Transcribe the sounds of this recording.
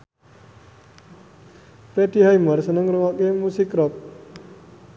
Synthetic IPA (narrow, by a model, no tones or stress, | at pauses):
pɾet̪iɦajməɾsənəŋɾuŋakemusikɾɔk̚